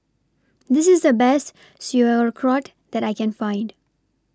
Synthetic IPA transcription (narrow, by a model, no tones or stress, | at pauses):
d̪ɪsɪzd̪əbɛst | sjuəɹkʰɹɔʈ | d̪æɾaɪkɛ̃nfãɪ̃nd